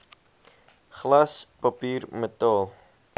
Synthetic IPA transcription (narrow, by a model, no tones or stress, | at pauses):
χlɐspɐpiːrmətɑːlˠ